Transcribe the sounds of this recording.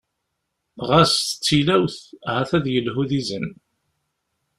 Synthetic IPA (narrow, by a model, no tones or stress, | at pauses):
ʁæst̪ə̥t͡sːilæwθhæθæðjəlɦuðizən